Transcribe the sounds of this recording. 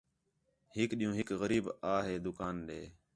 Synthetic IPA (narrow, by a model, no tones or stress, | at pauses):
hɪkɗɪ̃jũːɦɪkɣəɾiːbaːɦeːd̪ʊkaːnɗḛː